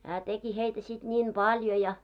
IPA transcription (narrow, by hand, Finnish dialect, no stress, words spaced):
hæː teki heitæ sit nʲiːm b̥ɑljo jɑ